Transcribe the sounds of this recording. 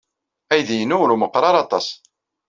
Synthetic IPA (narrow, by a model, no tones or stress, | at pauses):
æjðijənʊɾuməqːɾˤɑɾˤɑt̪ˤɑsˤ